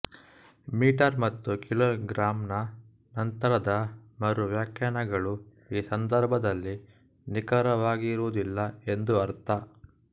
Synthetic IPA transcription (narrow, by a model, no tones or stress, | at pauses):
miːʈɐɾmɐt̪ːukiloːɡɾaːmnɐ | nɐnt̪ɐɾɐd̪ɐmɐɾuʋjaːkjaːɳɐɡɐɭu | iːsɐnd̪ɐɾbʱɐd̪ɐlːi | nikɐɾɐʋaːɡiːɾuːd̪ilːɐe̞nd̪uɐɾt̪ɐ